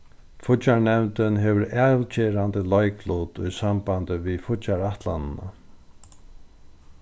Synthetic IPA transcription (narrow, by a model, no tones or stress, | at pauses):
fʊt͡ʃaɳɛmnt̪ɪnɦɛʋəɾɛːlt͡ɕeːɾant̪əlɔjkluːt̪ʊjsambant̪ɪvifʊt͡ʃaɹaht̪la̰nɪna̰